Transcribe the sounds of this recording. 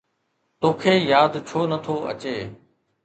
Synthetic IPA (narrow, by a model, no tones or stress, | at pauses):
t̪oːkʰeːjaːd̪t͡ɕʰoːnət̪ʰoːʔɐ̰t͡ɕeː